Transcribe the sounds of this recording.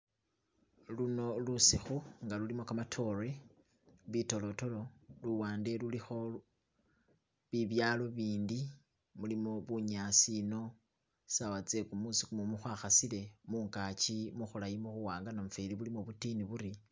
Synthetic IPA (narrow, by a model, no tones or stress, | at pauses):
luno̞lusixuŋɡalulimo̞kamatʰo̞re̞ | βito̞lo̞to̞lo̞luwaːnde̞lulixo̞ | βiβjaːlo̞βiːndi | mulimo̞βuɲaːsino̞ | sawat͡se̞kumusikumomuxwaːxasile̞muːŋkat͡ʃimuxulajimoxuwaːŋɡanamufeliβulimoβutiniβuɾi